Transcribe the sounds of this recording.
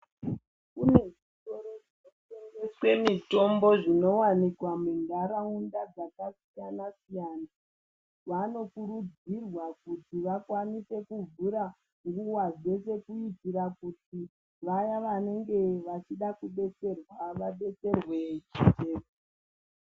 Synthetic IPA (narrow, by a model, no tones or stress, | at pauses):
kune̞ʐito̞ɾoʐinoteŋɡe̞swe̞mito̞mbo̞ʐino̞wanikwamiŋɡaɾaundad͡zakasijanasijaːna | ʋano̞kuɾud͡zirwakutiʋakwanise̞kuvuɾa | ŋɡuwazwe̞s̬e̞kuitiɾakuti | ʋajaʋane̞ŋɡe̞ʋat͡ʃiɗakuɓe̞t͡se̞rwaʋaɓe̞t͡se̞rwe̞iteːva